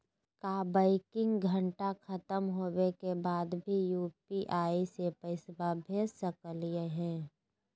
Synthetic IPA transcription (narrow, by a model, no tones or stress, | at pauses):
kabaɪkɪ̃ŋɡɡʱə̃ɳʈakʰət̪əmɦoːwekebaːd̪bʱijuːpiʔaːisepəɪsbabʱeːsəkəlijeɦɛ̃ː